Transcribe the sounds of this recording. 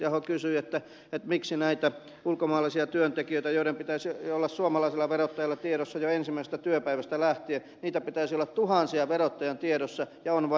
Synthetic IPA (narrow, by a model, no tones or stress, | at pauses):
ɑhokysyet̪ːæ | et̪miksinæit̪æ | ulkomɑːlˑisiɑt̪yønt̪ekiøˑit̪æjoiɾempit̪æisiolːɑssuomɑlɑisilːˑɑʋerot̪ːɑjɑlːɑt̪ieɾosːɑjoensimːæˑisest̪æt̪yøpæiʋæst̪ælæht̪ie | niːt̪æpit̪æˑsiolːɑt̪t̪uhɑnsiɑʋerot̪ːɑjɑnt̪ieɾosːɑjɑonʋɑ